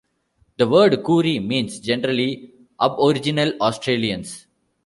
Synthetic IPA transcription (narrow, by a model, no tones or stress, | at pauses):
d̪əʋəːɾɖkuːɾimĩːnsd͡ʒɛnəɾəli | ʔʌbɔɾɪd͡ʒɪnəlɔːsʈɾeːliə̃ns